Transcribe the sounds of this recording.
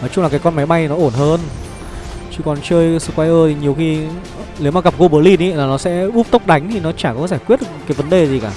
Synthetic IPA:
ʔəː˨˦t͡ɕʊ˧ŋ͡mlaː˨˩kaː˨˦jkɔ˧nma˨˦jɓa˧jnɔ˨˦ʔo˧˩nɦəː˧n | t͡ɕɨ˧kɔ˨˩nt͡ɕəː˧jsə˧kwaː˧jʔəː˧t̪ʰi˨˩ɲi˨˩əwxi˧ | li˨˦maː˨˩ɣa˨˩p̚ko˧ɓə˨˦əli˧ni˨˦˨laː˨˩nɔ˨˦sɛ̰˧˥ʔu˦˥p̚t̪ə˦˥wk͡p̚ɗa˨˦jŋ̟t̪ʰi˨˩nɔ˨˦t͡ɕaː˧˩kɔ˨˦˧zaː˧˩jkwi˦˥ət̚ɗ̚kaː˨˦jvə˨˦nɗe˨˩zi˨˩kaː˧˩

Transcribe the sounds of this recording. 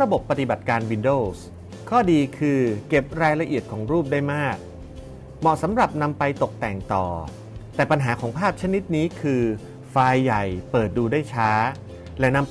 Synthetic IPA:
ɾa˧bo˨˩pːa˧t̪i˨˩ba˨˩t̪̚kaː˧nwi˧ndoː˥˩s | kʰɔː˥˩diː˧kʰɯː˧ke˨˩p̚ɾaː˧jla˧ʔi˨˩ət̪̚kʰɔː˩˦ŋɾuː˥˩p̚daː˥˩jmaː˥˩k̚ | mɔ˨˩sa˩˦mɾa˨˩p̚na˧mpa˧jt̪o˨˩k̚t̪ɛ˨˩ŋt̪ɔː˨˩ | t̪ɛː˨˩pa˧nɦaː˩˦kʰɔː˩˦ŋpʰaː˥˩p̚t͡ɕʰa˦˥ni˦˥t̪̚niː˦˥kʰɯː˧ | faː˧jːa˨˩jpɤː˨˩t̪̚duː˧daː˥˩jt͡ɕʰaː˦˥ | lɛ˦˥na˧m

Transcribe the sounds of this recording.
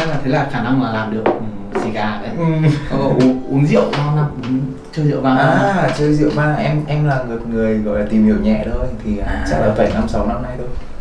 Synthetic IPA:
a˧laː˨˩t̪ʰə˨˦jlaː˨˩xaː˧˩na˧ŋlaː˨˩laː˨˩mɗɨ˨˩ək̚ʔɨ˨˩zi˧ɣaː˧˩kə˨˦˨mɔ˨˦kɔ˨˦ʔu˨˦ʔu˨˦ənzḭ˧˨əwza˧wna˧mʔu˨˦n | t͡ɕəː˧jzḭ˧˨wɓaː˧ʔaː˨˩˨t͡ɕəː˧jzḭ˧˨ə˨wɓaː˧ʔɛ˧mʔɛ˧mlaː˨˩ŋɨ˨˩ət̚ŋɨ˨˩əjɣɔ̰˧˨laː˨˩t̪i˨˩mhi˧˩əwɲɛ̰˧˨ɗə˧jt̪ʰi˨˩a˨˩˦t͡ɕa˦˥k̚laː˨˩ə˧˩jna˧msa˨˦wna˧mna˧jto˧j

